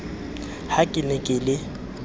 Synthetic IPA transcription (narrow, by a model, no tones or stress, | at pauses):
hakʼɪnɛkʼɪlɪ